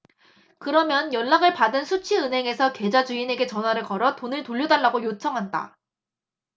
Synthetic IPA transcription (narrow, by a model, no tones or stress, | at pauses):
kɯɾʌmjʌnjʌnːaɡɯɭpadɯnsʰut͡ɕʰiɯnɦe̞ŋe̞sʰʌkwe̞d͡ʑad͡ʑuine̞ɡe̞t͡ɕʌnɦwaɾɯɭkʌɾʌt͈onɯɭtoʎːodaɭːaɡojot͡ɕʰʌŋɦanda̰